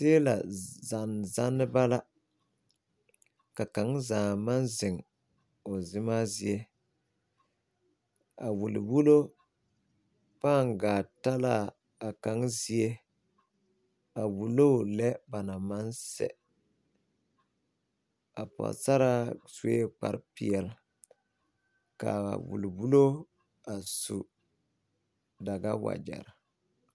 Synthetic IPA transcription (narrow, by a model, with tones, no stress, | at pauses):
sɪː˦la̰˨za˨n˨za˦nːɪ˦ba˦la˦ | ka˨ka˨˦ŋzaː˨ma˦nzɪ˨ŋ | ʊ˨zɪ˦ma˦zi˦e˦ | a̰˨wu˨lɪ̰˨wu˦lo˦ | paː˦˨ŋɡaː˨ta˦la˦˨ | a˨ka˨˦ŋzi˦e˦ | a˨wu˨lo˦˨lɛ˦ba˨na˨ma˦nsɛ̰˨ | a˨pɔ̰˨sa˦ɾa˦su˨e˦k͡pa̰˦ɾpi˨ɛ˨l | ka̰˨wṵ˨lwu˦lo˦ | a˨sṵ˨ | da˨ɡa˦wa̰˨d͡ʒa̰˨ɾ